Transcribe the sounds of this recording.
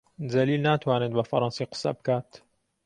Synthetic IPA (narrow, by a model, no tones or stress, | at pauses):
d̪ɐliːlnaːt̪ʰwaːned̪̚bafɐɾɑːnsiqɨ̥sːa̰bɨkaːt̪